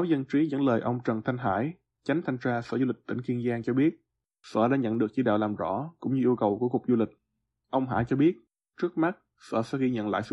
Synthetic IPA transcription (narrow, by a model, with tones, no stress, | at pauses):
a˨˦wzə˧nt͡ɕi˨˦zə̰˧˥nləː˨˩jʔə˧wŋ͡mt͡ɕə˨˩nt̪ʰa˧ŋ̟ɦa̰ː˧˥˩j | t͡ɕa˨˦jŋ̟t̪ʰa˧jŋ̟t͡ɕaː˧sə̰ː˧˩zu˧lï˨˩k̟̚t̪ï˧˩ŋ̟ki˧ənzaː˧nt͡ɕɔ˧ɓi˦˥ət̚ | sə̰ː˧˩ɗa̰ː˧˥ɲə̰˧˨nɗɨ˨˩ək̚t͡ɕi˧˦ɗa̰ː˧˨wlaː˨˩mzɔ̰˧˥kʊ̰˧˥ŋ͡mɲɨ˧ʔi˧əwkə˨˩wku˧˩əkʊ˨˩k͡p̚zu˧lï˨˩k̟̚ | ʔə˧wŋ͡mɦa̰ː˧˥t͡ɕɔ˧ɓi˦˥ət̚ | t͡ɕɨ˦˥ək̚ma˦˥t̚ | sə̰ː˧˩sɛ̰˧˥˦ɣi˧ɲə̰˧˨nla̰ː˧˨jsɨ̰˧